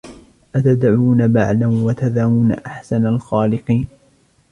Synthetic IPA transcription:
ʔat̪ad̪ʕuːnabaʕlawat̪aðaːwuːna̰ʔaħsanalxaːlɪqiːn

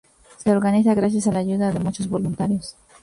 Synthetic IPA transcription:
se̞o̞ɾɣanisaɣɾas̬jasalaʝuðaðe̞mut͡ʃo̞zβo̞lunt̪aɾjo̞s

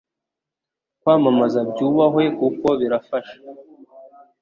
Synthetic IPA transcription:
kwaːmamazabɟuːβaɦwe̞kuko̞βiɾafaʃḁ

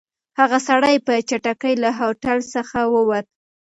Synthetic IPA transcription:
haɣasaɽajpət͡ʃaʈakəjlaɦoʈalsəxawəwat̪̚

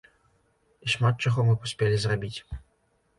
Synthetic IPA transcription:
iʂmat̪̚t͡ʂaɣɔmɨpusʲpʲelʲizrabʲit͡sʲ

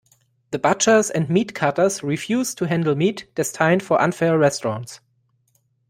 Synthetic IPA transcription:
ðəbat͡ʃə˞zɛ̃ndmiːtkʰatə˞zɹifjuːztʰuɦæ̃ndl̩ˠmiːtd̥ɛstʰãɪ̃nfɔ˞ʔã̰nfɛɹɛstɹɑ̃nts

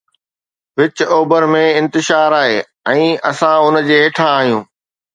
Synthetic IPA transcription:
ʋɪt͡ɕoːbəɾmẽɪ̃nt̪ɪʃaːɾaːɦeː | ɛ̃ːɐsãʊnd͡ʑeːɦeːʈʰãːɦijũː

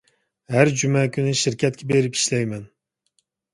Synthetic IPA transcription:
hæɾd͡ʒymɛkʲʰynɪʃiɾkʲʰɛt̪̚kʲʰɛbeɾɪpi̥ʃlɛjmɛn

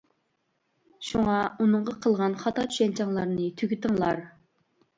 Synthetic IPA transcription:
ʃuŋɑunɨɴʁɑqʰəlˠʁɑnχɑt̪ʰɑt͡ʃʰy̥ʃɛnt͡ʃʰɑŋlˠɑɾnɨt̪ʰyɡʲyt̪ɨŋlˠɑɾ

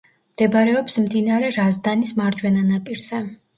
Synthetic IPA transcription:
md̪̥ɛbaɾɛɔpsmd̪inaɾɛɾazd̪anismaɾd͡ʒwɛnanapʼiɾz̥ɛ

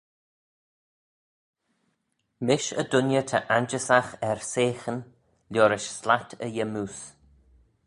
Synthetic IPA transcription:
mɪʃə̰dʊnjət̪ʰəʔand͡ʒəsaxɛɹseːxən | ljoːɾɪʃslatʰəjɛmus

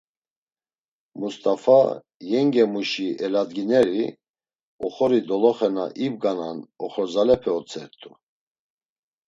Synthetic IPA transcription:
must̪ʼafa̰ | jɛŋɡɛmuʃiʔɛlad̪ɡinɛɾi | ɔχɔɾid̪ɔlɔχɛna̰ʔibɡananɔχɔzalɛpʰɛɔt͡sʰʼɛɾt̪ʼu

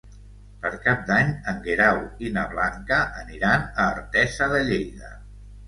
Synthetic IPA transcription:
pəɾkap̚d̪aɲəŋɡeɾawinəβlaŋkəʔəniɾanəːɾt̪ɛzəðəʎejðə̰

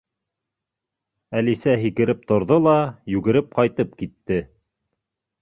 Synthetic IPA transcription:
ælisæɦikɘ̆ɾɘp̚t̪ŏɾðolˠɑjʉɡɘ̆ɾɘp̚qɑjt̪ɤp̚kit̪ːɘ

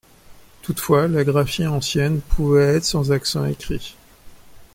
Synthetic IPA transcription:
t̪ut̪fwalaɡʁafiɑ̃sjɛnpʰuvɛːt̪χsɑ̃zaksɑ̰̃ekχi

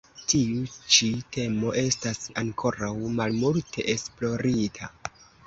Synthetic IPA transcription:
tiut͡ʃite̞mo̞ʔe̞stasaŋkʰo̞ɾawmalmultʰe̞̰ʔesplo̞ɾitʰa

